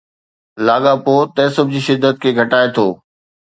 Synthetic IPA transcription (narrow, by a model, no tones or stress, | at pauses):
laːɡapoːt̪ɐ̃ɪ̃sɐbʱɪd͡ʑiːʃɪd̪ːət̪̚kʰeːɡʱɐʈaːet̪ʰoː